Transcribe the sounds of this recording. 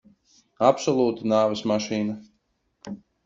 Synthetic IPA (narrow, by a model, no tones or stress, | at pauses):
apsɔlˠuːt̪anaːvɛsmaʃiːna